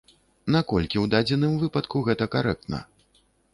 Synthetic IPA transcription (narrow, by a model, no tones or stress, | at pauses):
nakɔlʲkʲiwd̪ad͡zʲɛnɨmvɨpɐt̪kuɣɛt̪ɐkaɾɛk̚t̪nɐ̰